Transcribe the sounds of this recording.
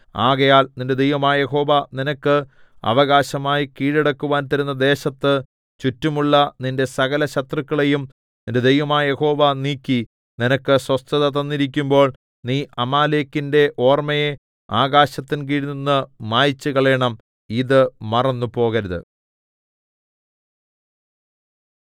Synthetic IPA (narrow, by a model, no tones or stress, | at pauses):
aːɣɐjaːlninde̞d̪ejʋɐmaːjje̞ɦo̞ːʋɐninɐkːɨ | ɐ̰ʋɐɣaːɕɐmaːjikiːɻeɽɐkːuʋaːnt̪ɐɾunːɐd̪e̞ːɕɐt̪ːɨ | t͡ɕutːumuɭːɐninde̞sɐɣɐlɐɕɐt̪rɨkːɐɭe̞jum | ninde̞d̪ejʋɐmaːjje̞ho̞ːʋɐniːkʲːi | ninɐkːɨswɐst̪ɐðɐt̪ɐnːiɾik̬ʲːumbo̞ːɭ | niːʔɐmaːleːkːinde̞ʔo̞ːrmɐje | aːɣaːɕɐt̪ːinkiːɽinːunːɨmaːjit͡ɕːuɣɐɭeːɳɐm | iðɨmɐrɐnːupo̞ːɣɐɾɐðɨ̰